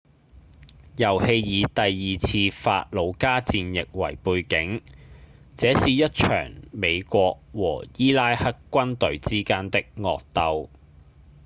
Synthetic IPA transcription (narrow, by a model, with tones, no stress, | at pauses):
jɐ˨˩whe˧jjiː˨˧t̪ɐ˨jːiː˨t͡sʰiː˧fa̰ː˧t̚lo˨˧wkaː˥t͡siː˧njɪ˨k̚wɐ̰˨˩jpuː˧jkɪ˨˥ŋ | t͡sɛː˨˥siː˨˧jɐ˥t̚t͡ʃʰœ̰ː˨˩ŋme˨˧jkʷɔː˧k̚wɔ̰ː˨˩jiː˥laː˥jhɐ˥kːʷɐ˥nt̪ɵ˨˥ɥt͡siː˥kaː˥nt̪ɪ˥k̚ŋɔ̰ː˨k̚t̪ɐ˧w